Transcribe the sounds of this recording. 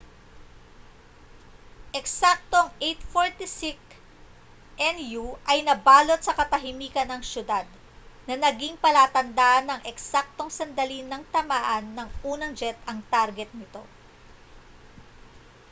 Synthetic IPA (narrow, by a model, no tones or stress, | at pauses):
ʔɛksak̚t̪o̞ŋejt̪foɹt̪isɪk | ʔɛnjuʔɐjnɐbaːlo̞t̪̚sɐkɐt̪ɐɦɪmiːkɐnɐŋʃjʊd̪ad̪̚ | nɐnɐɡiŋpɐlaːt̪ɐnd̪aʔɐnːɐŋʔɛksak̚t̪o̞ŋsɐnd̪ɐlinɐŋt̪ɐmaːʔɐnːɐŋʔuːnɐŋd͡ʒɛt̪ɐŋt̪aɾɡɛt̪̚nɪt̪o̞̰